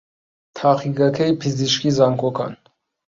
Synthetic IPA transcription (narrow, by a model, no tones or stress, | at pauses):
t̪ʰɑːχiɡɑkʰɛipʰiziʃkizɑŋkʰɔkʰɑ̰n